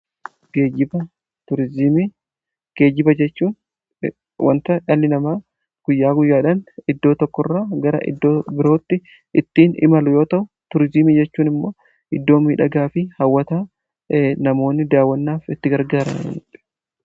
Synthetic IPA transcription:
ɡ̥eːd͡ʒɪbɐ | t̪ʊɾɪzɪmi | ɡ̥e̞ːd͡ʒɪbɐd͡ʒɛt͡ʃːuːn | wɐ̰nt̪ɐʔɐlːɪnɐmaː | ɡ̥ʊjːaːɡʊjːaːᶑɐnɪd̪ːo̞ːt̪ɔkːɔrːaːɡɐɾɐ̰ʔɪ̰d̪ːoːbɪɾo̞ːt̪ːɪ | ʔɪt̪ːiːnɪ̰mɐlʊjo̞ːt̪ɐʔʊ | t̪ʊɾɪzɪmid͡ʒɛt͡ʃːuːnɪmːo̞ː | ɪd̪ːo̞ːmiːᶑɐɡaːfɪhɐwːɐt̪aː | nɐmo̞ːnːɪd̪aːwːɐnːaːfɪt̪ːɪɡɐɾɡaːɾɐ̰nɐ̰nɪt̪ɪ̥

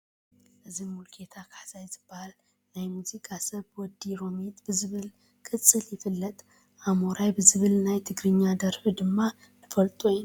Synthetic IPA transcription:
ʔɨzimulkʰe̞t̪ʰakʰḁħzajzɨbːahal | najmuzikʼasɐβwɔd̪ːiɾo̞mit̪bɨzɨβɨl | kʼɨt͡sʼːɨljɪfɨlːɐt̪ʼ | ʔamoɾajbɨzɨβɨlnajt̪ʰɨɡɾɨɲːad̪ɐɾħud̪ɨmːa | nɨfɐlt̪ʼujn

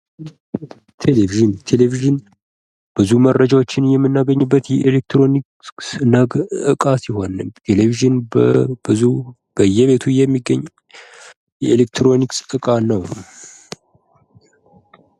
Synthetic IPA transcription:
t̪ʰeleviʒɨnt̪ʰe̞leviʒɨn | b̥ɨzumərːəd͡ʒawot͡ʃːɪnjɛmːɨnːaɡəɲːɨbːət̪jɛʔelek̚t̪ɾo̞niksnəɡɨkʼasɪho̞nːɨmt̪ʰe̞leviʒɨnbɨzu | b̥əjːɛβe̞t̪ʰujɛmːiɡəɲː | jɛelek̚t̪ʰɾo̞niksɨkʼanəw

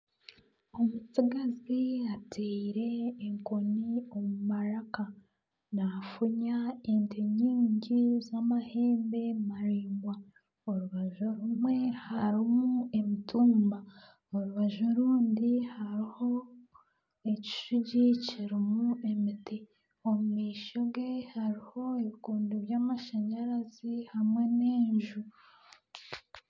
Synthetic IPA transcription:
omut͡siɡaziatʰeiɾe̞ːŋkonio̞mumaɾaka | nafuɲaentʰeɲiːɲɟizamahe̞ːmbe̞maɾiːŋɡwa | oɾuβaʒoɾumwe̞haɾimuemituːmba | oɾuβaʒoɾuːndihaɾiho̞ | eci̥ʃuɟiciɾimue̞mite | omumiːʃiɡehaɾiho̞eβikuːndiβjaːmaʃeɲaɾazihamŋe̞neːɲʒu

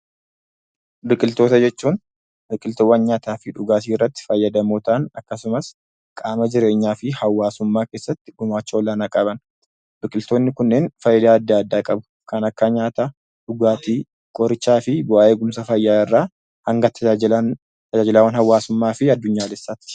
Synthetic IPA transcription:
bɪkʼɪlt̪oːt̪ɐd͡ʒɛt͡ʃːuːn | bɪkʼɪlt̪ɔwɐnɲaːt̪aːfɪᶑʊɡaːt̪iːrːɐt̪ːɪ̥fɐjːɐd̪ɐmoːt̪ɐʔɐnɐkːɐsʊmɐs | kʼaːmɐd͡ʒɪɾe̞ːɲːaːfɪhɐwːaːsʊmːaːkeːsːɐt̪ːɪɡʊmaːt͡ʃːɐɔlːaːnakʼɐbɐn | bɪkʼɪlt̪o̞ːnːɪkʊnːeːnfɐjːɐd̪aːɐd̪ːaːd̪ːaːkʼɐbʊ̥ | kɐnɐkːaɲaːt̪a | ᶑʊɡaːt̪iː | kʼɔɾɪt͡ʃːaːfɪbʊaːʔe̞ːɡʊmsɐfɐjːaɪrːaː | hɐŋɡɐt̪ʰɐɐ | t̪ɐd͡ʒaːd͡ʒɪlɐwɐnhɐwːaːsʊmːaːfɪɐd̪ːʊɲːaːlɛsːaːt̪ɪ̥

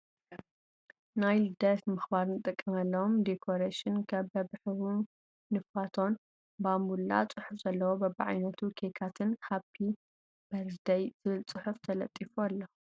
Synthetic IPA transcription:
najɨd̪ɐt̪mɨxbaɾnɨt̪ʼɨkʼːɐmɐlːɐomd̪ekʰoɾaʃɪnkʰɐβbɐbħhu | nɨfat̪ʰo̞n | bamulːa̰t͡sʼɨħʊfz̥ɐlːɐwobɐbaʕa̰jnɐt̪ʰukʰekʰat̪ʰɨnhapʰːi | b̥ɐɾd̪ɐjz̥ɨβɨlt͡sʼɨħuft̪ʰɐlɐ̰t̪ʼifualːɐ

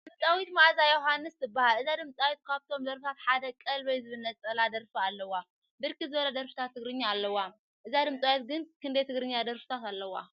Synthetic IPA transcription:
d̪ɨmsʼawit̪maʔzajoɦanːɨst̪ɨbːahalʔɨzad̪ɨmt͡sʼawit̪̚kʰaβt̪ʰo̞md̪ɐɾft̪ʰat̪ħad̪ɐkʼɐlβɐjzɨβɨnɐt͡sʼɐlad̪ɐɾfialːɐwːa | bɨɾkʰizɨβɐlɐd̪ɐɾfɨt̪ʰat̪ʰːɨɡɾɨɲːaːlːɐwːa | ʔɨzad̪ɨmt͡sʼawit̪ɡɨnkʰɨnd̪ɐjt̪ʰɨɡɾɨɲːad̪ɐɾfɨ̥t̪ʰat̪alːɐwa̰

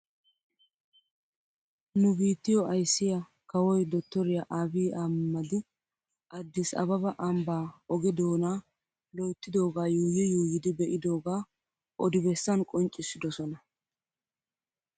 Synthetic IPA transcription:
nʊbiːt̪ːɪjɔɐjsːɪjɐ | kɐwɔjd̪ɔt̪ːɔɾɪjaʔaːbiːʔɐmmːɐd̪ɪ | ʔɐd̪ːɪsɐ̰bɐbɐʔɐmbaːɔɡɛd̪o̞ːnaː | lɔjt̪ːɪd̪o̞ːɡaːjuːjɛjuːjɪd̪ɪbɛʔɪd̪o̞ːɡaː | ʔɔd̪ɪbɛsːɐnkʼɔnt͡ʃʼːɪsːɪd̪ɔsɔnɐ

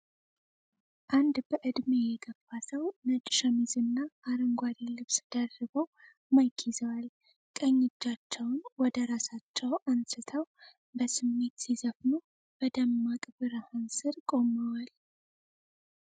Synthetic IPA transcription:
ʔand̪bəʔɨd̪mejɛɡəfːasəwnət͡ʃʼʃəmizɨnːaːɾəŋɡʷaɾilɨβsd̪̥ərːɨbəw | majkʰizəwal | kʼəɲːɪt͡ʃːat͡ʃːɛwnwɔd̪əɾasat͡ʃːɛwʔansɨt̪ʰəw | bəsɨmːe̞t̪sizəfnu | b̥əd̪əmːakʼbɨɾəhansɨɾkʼo̞məwal

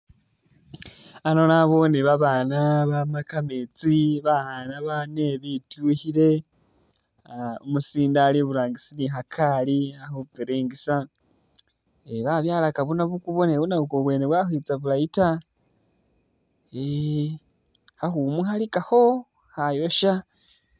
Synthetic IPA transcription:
anonaβo̞neβaβaːnaβamakamet͡siβaanaβaneβituhiɾe̞ | omusiːndaliβuɾaːŋɡisiniɦakʰaliahoupeɾeːŋɡisa | eβaβjaːlakaβunaβukuβo̞neβunaukoβwe̞ːneβwaxit͡saβulaita | e | haxumuɦalikaho̞ | hajo̞ʃa

